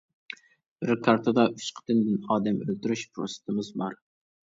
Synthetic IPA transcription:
b̥ɪɾkʰɑɾt̪ʰəd̪ɑyt͡ʃqʰə̥t̪ʰɨnd̪ɪnɑːd̪ɛmølt̪yɾyʃpʰɾo̰sɪ̥t̪ʰɪmɪzbɑɾ

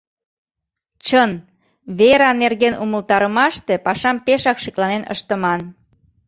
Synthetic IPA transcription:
t͡ɕən | βeɾɑnerɣenʔuməlt̪ɑɾəmɑʃt̪epɑʃɑmpeʃɑkʃiklɑnenə̰ʃt̪əmɑn

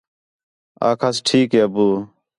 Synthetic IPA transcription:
a̰ːkʰaːsʈʰiːkɦeːəbuː

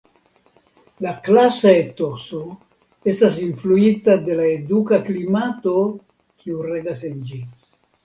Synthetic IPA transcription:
laklasaet̪o̞so̞ | e̞stas̬influitade̞laedukaklimato̞ | kʰiureɡasend͡ʒi

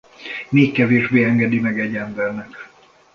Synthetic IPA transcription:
meːkːɛveːʒbeːɛŋɡɛd̪imɛɡɛɟːɛmbɛrnɛk

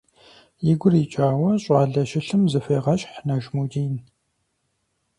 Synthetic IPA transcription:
jɪɡʷʊriːt͡ʃʼaːwɐɕʼɑːɮɐʃɪɬɨmzɨfeːʁɐɕʼħnɐʒmuːdiːn

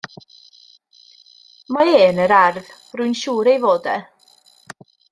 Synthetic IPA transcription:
maeːnəɾarv | rʊjnʃuːɾejvoːdɛ

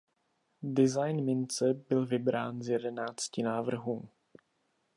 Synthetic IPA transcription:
dɪzajnmɪnt͡sɛbɪlvɪbɾaːnzjɛdɛnaːt͡scɪnaːvr̩ɦuː

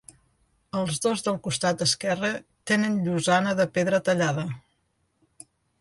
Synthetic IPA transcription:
əlˠzðozðəlˠkust̪at̪̚d̪əskɛrət̪enənʎuzanəðəpeðɾət̪əʎaðə

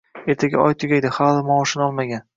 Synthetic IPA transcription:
e̞ɾt̪ʰaɡʲa̰ʔɒjt̪ʰʊɡʲajd̪ɪhalˠɪmɒʃɪnɒlˠmaɡʲan

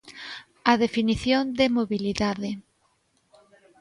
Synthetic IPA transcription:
aðefiniθjond̪emoβiliðaðe

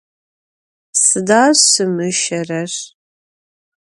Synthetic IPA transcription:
sɨdaːsɨmɨʃɐrɐr

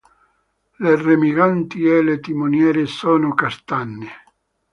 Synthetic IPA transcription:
leremiɣant̪iɛlet̪imonjɛːɾesɔːnokast̪anːɪ

